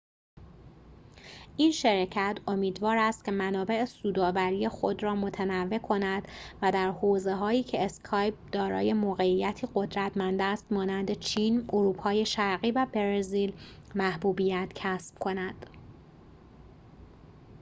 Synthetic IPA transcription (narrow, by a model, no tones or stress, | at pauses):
ʔinʃeɾecʰæt̪ʰo̞miːd̪vɒːɾæst̪̚kcʰe̞mænɒːbe̞ʔesuːd̪ɒːvæɾije̞xod̪ɾɒːmo̞t̪ʰænævːe̞kʰo̞næd̪̥væd̪æɾhoːze̞ɦɒːjiːcʰe̞eskʰɒːjp̚d̪ɒːɾɒ̰ːje̞moɣe̞ijːæt̪ʰiːɢo̞d̪ɾæt̪ʰmænd̪æst̪mɒːnænd̪e̞t͡ʃʰiːnoɾuːpʰɒːje̞ʃæɾɣiːvæbeɾeziːlmæhbuːbiːjæt̪ʰcʰæsb̥̚kʰo̞næd̪̥